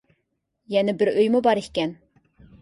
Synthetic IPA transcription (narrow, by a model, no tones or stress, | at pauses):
jɛnɪbɪɾøjmʊbɑɾehʲkʲɛn